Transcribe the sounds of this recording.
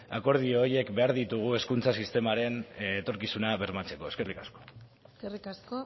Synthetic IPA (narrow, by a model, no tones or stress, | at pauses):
a̰ko̞ɾð̞ioje̞kbe̞aɾðit̪uɣ̞ue̞skunt͡sasist̪e̞maɾe̞nːt̪o̞ɾkisunaβe̞ɾmat͡se̞ko̞e̞ske̞rikasko̞̥ | skerikasko